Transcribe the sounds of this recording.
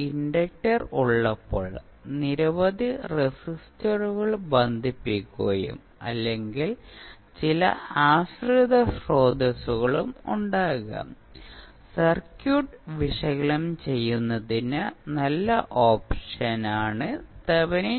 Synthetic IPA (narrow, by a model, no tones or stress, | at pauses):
iɳɖɐk̚ʈɐruɭːɐpːo̰ːɭ | niɾɐʋɐd̪iresistɐruɣɐɭbɐnd̪ʱipːikʲːuɣɐjṵm | ɐ̰lːe̞ŋɡil | t͡ɕilɐ̰aːɕrid̪ɐsro̞ːd̪ʱɐsuɣɐɭumuɳɖaːɣɐ̰m | sɐrkjuːʈʋiʂɐɣɐɭɐmt͡ɕe̞jːunːɐðinɨnɐlːɐʔo̞ːpʂɐnaːɳɨt̪ɐʋɐni